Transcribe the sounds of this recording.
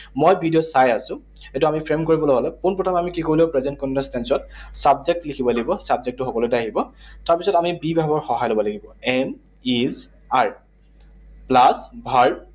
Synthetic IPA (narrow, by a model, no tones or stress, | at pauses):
mojbʱidiɔsajasʊ̃ | ɛtuamipʰɹemkoɹibɔlojɦɔlɛpunpɹɔtʰamamikikolɛpɹezɛnt̚kɔnɛnstɛnsɔtsabzek̚tlikʰibɔlaɡibɔsabzek̚tːʊxɔkɔlojtaɦibɔtaɹpisɔtamibibʱabɔɹxɔɦajlobɔlaɡibɔɛm | iz | aɹ | plasbʱaɹ